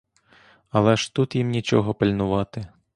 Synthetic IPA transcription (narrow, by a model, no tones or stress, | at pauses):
ɐlˠɛʃt̪ut̪jimnʲit͡ʃɔɦɔpɪlʲnʊʋɑt̪ɪ